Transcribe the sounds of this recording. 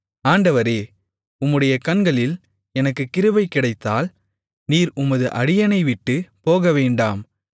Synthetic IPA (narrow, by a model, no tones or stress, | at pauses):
aːɳɖɐʋɐɾeː | ʊmːɯɽɐjɐkɐɳɡɐɭɪl | ɛnɐkːɯkːɪɾɯʋɐɪkːɪɽɐɪt̪ːaːl | niːɾʊmɐðɯʔɐɽɪjɐnɐɪʋɪʈːɯpoːɣɐʋeːɳɖaːm